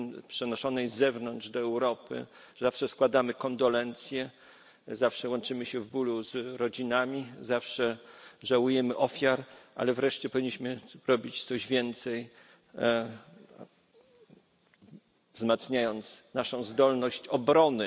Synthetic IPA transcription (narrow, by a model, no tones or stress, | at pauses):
pʂɛnɔʂɔnɛjzɛvnɔnd̪ʐd̪ɔɛwɾɔpɘ̰ | ʐɛzafʂɛskwad̪amɘkɔnd̪ɔlɛnt̪sʲjɛ | zafʂɛwɔnt͡ʂɘmɘɕɛvbuluzɾɔd͡ʑinamʲizafʂɛʐawujɛmɘʔɔfʲjaɾʔa̰lɛvɾɛʂt͡ɕɛpɔvʲiɲːiɕmɘɾɔbʲit͡ɕt̪sɔʑvʲjɛnt̪sɛj | vzmat̪sɲajɔnt̪snaʂɔ̃w̃zd̪ɔlnɔɕt͡ɕɔbɾɔnɘ